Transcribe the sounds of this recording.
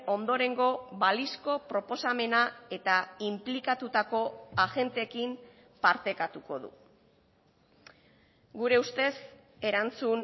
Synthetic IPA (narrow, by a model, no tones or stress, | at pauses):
o̞nd̪o̞ɾe̞ŋɡo̞βalisko̞pɾo̞po̞same̞nae̞t̪aimplikat̪ut̪ako̞aɣe̞nt̪e̞kim | paɾt̪e̞kat̪uko̞̰ðṵ | ɡuɾe̞ust̪e̞s | e̞ɾant͡sun